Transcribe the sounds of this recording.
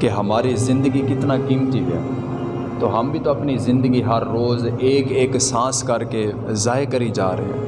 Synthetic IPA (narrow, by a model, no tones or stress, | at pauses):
keɦəmaːɾizɪ̃nd̪əɡikɪt̪naːkiːmt̪iɡɛ̰ː | t̪oːɦəmbʱiːt̪oɐpnizɪ̃nd̪əɡiɦəɾːoːzeːkeːksãːskəɾke | zaːekəɾid͡ʒaːɾəɦḭːɦɛ̰ː